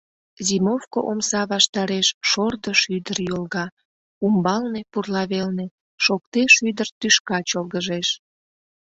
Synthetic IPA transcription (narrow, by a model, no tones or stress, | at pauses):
zimofkoʔomsɑβɑʃt̪ɑɾeʃʃord̪əʃyd̪ərjolɣɑ | umbɑlnepurlɑβelne | ʃok̚t̪eʃyd̪ərt̪yʃkɑt͡ɕolɣəʒeʃ